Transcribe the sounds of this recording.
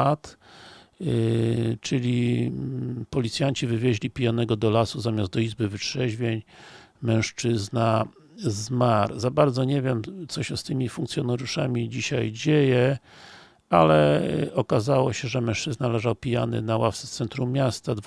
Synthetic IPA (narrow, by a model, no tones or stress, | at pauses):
t̪ | t͡ʂɘlʲi | pɔlʲit̪sʲjaɲt͡ɕivɘvʲjeʑlʲipʲijanɛɡɔd̪ɔlasuzamʲazd̪d̪ɔizbɘvɘtʂɛʑvʲjeɲ | mɛ̃w̃ʂt͡ʂɘzna | zmaɾzabaɾd̪zɔɲɛvʲjɛmt̪sɔɕɛst̪ɘmʲifuŋk̚t̪sjɔnaɾjuʂamʲid͡ʑiɕajd͡ʑejɛ | alɛɔkazawɔɕɛʐɛmɛ̃w̃ʂt͡ʂɘznalɛʐawpʲijanɘ̰nawaft̪sɛ̥t̪sɛnt̪ɾumːʲjast̪ad̪v